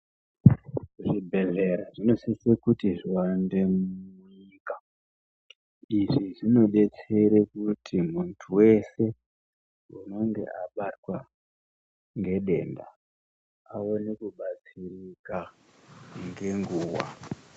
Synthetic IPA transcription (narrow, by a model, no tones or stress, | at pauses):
ʐibʱe̞ɮe̞ɾaʐino̞sisekutiʐiwandemu | iːka | iʐiʐino̞ɗe̞t͡seɾekutʰimuntʰuwe̞se̞ | uno̞ŋɡe̞̰ʔaɓatwa | ŋɡe̞ɗe̞nda̰ | aonekuɓat͡sirika | ŋɡe̞ŋɡuːwa̰